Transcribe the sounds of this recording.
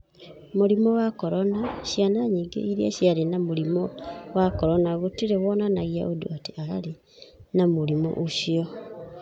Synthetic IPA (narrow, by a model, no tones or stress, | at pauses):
moɾimɔwakɔɾɔnaɕjanaɲiːŋɡḛiɾiaɕjaɾenamoɾimɔwakɔɾɔnaɣotiɾewɔnanaɣia̰ʔodo̰ateʔaa̰ɾe | namoɾimɔ̰ʔoʃiɔ